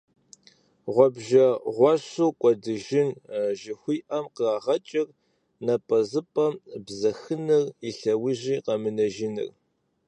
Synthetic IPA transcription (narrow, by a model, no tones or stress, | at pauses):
ʁʷɔbʒɐʁʷɑɕuːkʷʼɔdɨʒɪnʒɪxʷiːʔɐmqəraːʁɐt͡ʃʼɪr | nɐpʼɐzɨpʼɐmbzɐxɨnɨriɬɐwiʑiːqɐmɨnɐʒɪnɨ̰r